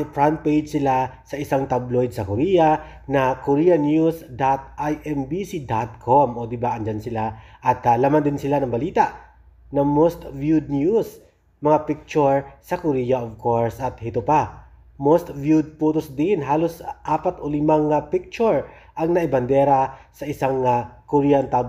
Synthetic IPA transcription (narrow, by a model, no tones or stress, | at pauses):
pɹant̪̚pejd͡ʒsɪlasɐʔɪsaŋt̪ablojd̪̚sɐkoɾiːjɐ | nɐkoɾiːjɐnjusd̪at̪̚ʔajʔɛmbisid̪at̪̚kʰomʔod̪ɪbaʔɐnd͡ʒansɪlaʔɐt̪lamand̪ɪnsɪlanɐŋbɐliːt̪aʔ | nɐmost̪vjud̪̚njus | mɐŋapɪk̚t͡ʃʊɹsɐkʊɾijɐʔovkʰoɹsɐt̪hɪt̪ʊpa | most̪vjud̪̚puːt̪osd̪ɪnɦaːlosʔaːpɐt̪ʔʊlɪmaŋpɪk̚t͡ʃʊɹ | ʔɐŋnɐʔɪbɐnd̪ɛɾɐsɐʔɪsaŋakʊɾiːjɐnt̪ab